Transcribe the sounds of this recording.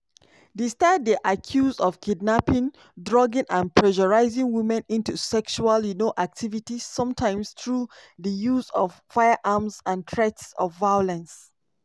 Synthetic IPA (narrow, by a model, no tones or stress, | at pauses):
distadiʔakʰjuzɔfkʰidnapĩn | dɹɔɡə̃nʔãnpʰɹɛʒɔɹaɪzĩŋwimɛ̃nĩntusɛkʃualjunoʔak̚tʰivitizsɔ̃mtʰãɪ̃mstɹuðəjuzɔffaɪəʔamsãntʰɹɛtsɔ̰fvajɔlɛ̃ns